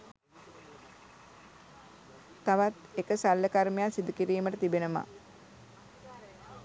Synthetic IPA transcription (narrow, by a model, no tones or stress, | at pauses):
t̪aʋat̪ekəsalːəkaɾmejasid̪ukiɾiːməʈət̪ibenəma̰